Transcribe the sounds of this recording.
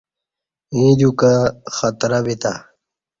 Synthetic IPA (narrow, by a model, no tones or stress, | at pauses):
ĩd̪ukaxɐt̪ɾabit̪a̰